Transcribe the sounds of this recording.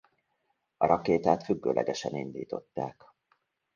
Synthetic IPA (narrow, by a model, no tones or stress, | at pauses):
ɒɾɒkeːt̪aːt̪fyɡːøːlʔɛɡɛʃɛnind̪iːt̪o̞t̪ːaːk